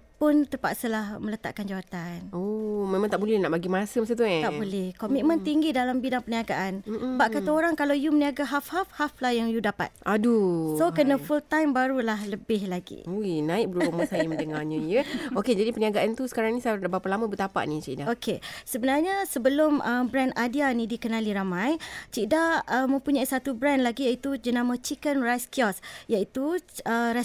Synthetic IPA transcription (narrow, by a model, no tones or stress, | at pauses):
pʊnt̪əpa̰ʔsəlahmələt̪a̰ʔkand͡ʒawat̪anomẽmãŋt̪aʔbulɛhnaʔbaɡimasəmasət̪̬uɛaʔbolɛhkomit̪̚mə̃nt̪iŋɡidalambidaŋpəniaɡaʔan̩baʔkat̪aoɾaŋkalawjuməniaɡaɦafhafhaflahjaŋjudapa̰t̪̚ʔadusokənə̃fult̪ajmbaɾulahləbɪhlaɡḭoinãɪk̚bəɾuuməsajəməndəŋaɲə̃jəoked͡ʒadipəniaɡaʔant̪usə̥kaɾaŋnĩsajdbapalamə̃bət̪apa̰ʔnit͡ʃidaokʰesəbənarɲasəbəlʊməmbɾɛnadianĩdikənaliɾamãjt͡ʃidaəmə̃mpuɲãisat̪ubɾɛnlaɡijait̪ud͡ʒənãmat͡ʃikənrajskiɔsjait̪uəɾas